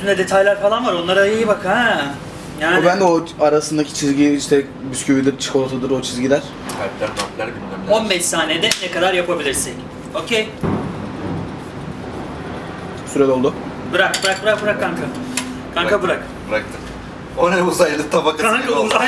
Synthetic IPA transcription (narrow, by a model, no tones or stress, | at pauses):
ind̪ʲɛd̪e̞t̪ʰajlʲæɾfalˠanvaɾo̞nlˠaɾajajɯbakʰɛ | jaːnubænd̪ɛoaɾasɯnd̪acʰi̥t͡ʃʰizɡɟiiʃt̪ʰɛ | byscʰybid̪ʲiɾt͡ʃʰɯ̥kʰo̞lˠsʰad̪ɯɾo̞t͡ʃʰizɟidʲæɾ̥ | kʰat̪lʲæɾt̪ʰap̪lʲæɾɡynæo̞nbɛʃsaːned̪ɛnekad̪aɾjapʰabilʲiɾsɛc | ocʰej | syɾɛlo̞lˠd̪ʊ | bɯɾak̚bɯɾak̚bɯɾak̚bɯɾak̚ʰːaŋkʰa | kʰaŋkabɯɾak | bɯɾak̚t̪ʰɯ | onɛuzajd̪ɯt̪ʰabaka